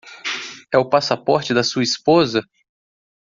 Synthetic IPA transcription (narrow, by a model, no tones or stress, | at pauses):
ɛʊpasapɔɾt͡ʃɪd̪ɐsuɐispozɐ